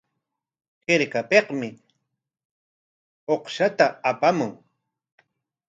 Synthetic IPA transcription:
heɾkapeqmɪ | oqʃat̪aːpamʊŋ

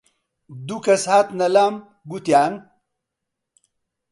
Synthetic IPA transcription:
d̪ukɐsat̪nɐlam | ɡut̪jaːn

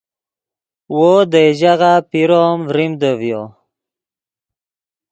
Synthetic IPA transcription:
wod̪eʒaɣapiɾomvɾimd̪əvjo

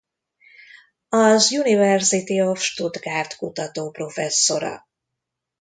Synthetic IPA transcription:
ɒzjunivɛrsit̪iofʃt̪ud̪ɡaːrt̪kut̪ɒt̪oːpro̞fɛsːo̞ɾɒ̰

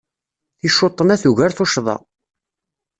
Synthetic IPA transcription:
θiʃot̪ˤːənæθuʝæɾθoʃðˤɑ̰

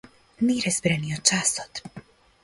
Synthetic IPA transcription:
niɾɛzbɾɛniot͡ʃasɔt̪

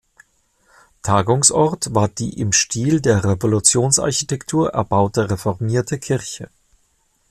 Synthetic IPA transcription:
tʰaːɡʊŋsʔɔʁtv̥aːɐd̥ḭːʔɪmʃtʰiːldeːɐʁevolut͡sjoːnsʔa̰ɐçitʰɛktʰuːɐʔɛ̰ɐbaʊtəʁefɔʁmiːɐtʰəkʰɪʁçə

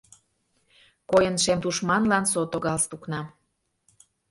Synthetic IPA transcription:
kojənʃemt̪uʃmɑnlɑnsot̪oɣɑlst̪uknɑ

